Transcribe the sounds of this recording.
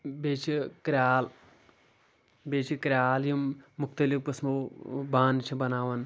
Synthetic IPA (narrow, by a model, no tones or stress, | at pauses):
beːt͡ʃʰikɾʲaːl | beːt͡ʃʰikɾʲaːljimːukt̪ɐlifkɐsmɐbaːnt͡ʃʰibɐnaːʋɐn